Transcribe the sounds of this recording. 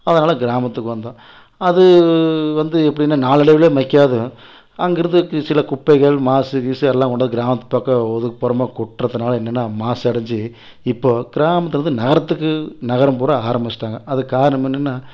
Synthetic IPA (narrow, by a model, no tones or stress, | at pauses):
ɐðɐnaːlɐɡɪɾaːmɐt̪ːɯkːɯʋɐnd̪ãː | ɐðɯʋɐnd̪ɯɛpːɐɽɪɛnːɐnaːlɪɽɐʋɪleːmɐkːaːðɯ | ɐŋɡɪɾɐnd̪ɯsɪlɐkʊpːɐɪɣɐɭmaːsɯɡiːsɯɛlːãːkɔɳɖaːðɯɡɪɾaːmɐt̪ːɯ̥paːkɐɔðɯkːɯpɔːɾɐmaːkɔʈːɾɐðɯnaːlɐɛnːɛnːaːmaːsɛɽɐɲd͡ʒi | ɪpːoːɡ̥ɪɾaːmɐt̪ːɯɾɐnd̪ɯnɐɣɐɾɐt̪ːɯkːɯnɐɣɐɾɐmpoːɾɐaːɾɐmbɪt͡ʃːɪ̥ʈːaːŋɡɐʔɐðɯkaːɾɐnɐmɛnːɛnːaː